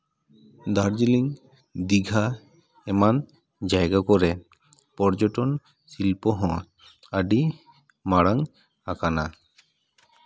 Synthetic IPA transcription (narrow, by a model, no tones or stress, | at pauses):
d̪aɾd͡ʒiliŋ | d̪iɡʱa | ɛman | d͡ʒajɡakɔɾe | pɔɾd͡ʒɔʈɔn | silpɔɦɔ̃ | aɖi | maɽaŋ | akana